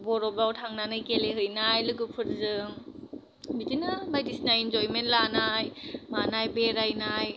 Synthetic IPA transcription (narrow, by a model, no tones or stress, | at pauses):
bɔɾɔbawtʰaŋnanɯjkeleɦɯjnajlɯɡɯpʰɯɾzɯŋ | bitinɯmajdisinajind͡ʒɔjmentlanajmanajbeɾajnaj